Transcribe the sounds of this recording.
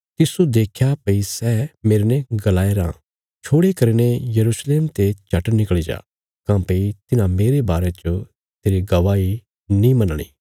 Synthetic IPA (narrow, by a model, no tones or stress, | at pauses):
t̪ɪsud̪eːkʰjapɐisɛːmeːɾnẽɡɐlaːeɾã̰ː | t͡ʃʰoːɽekɐɾinejɐɾuːsleːmt̪et͡ʃɐʈnɪkɭid͡ʒa̰ː | kãːpeit̪ɪnãmeːɾebaːɾet͡ʃo | t̪eːɾiɡɐʋaːi | nĩmɐnɽ̃ḭː